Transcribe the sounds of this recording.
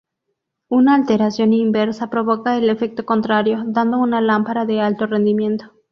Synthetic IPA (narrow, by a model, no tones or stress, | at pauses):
unaːlt̪e̞ɾasjo̞nimbe̞ɾsapɾo̞β̞o̞kaele̞fe̞k̚t̪o̞ko̞nt̪ɾaɾjo̞ðand̪o̞unalampaɾaðe̞alt̪o̞re̞nd̪imjẽ̞nt̪o̞̥